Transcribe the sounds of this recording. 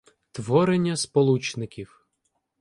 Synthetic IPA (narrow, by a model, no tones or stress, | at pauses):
t̪ʋɔɾenʲːɐspɔlˠut͡ʃnɪkʲiw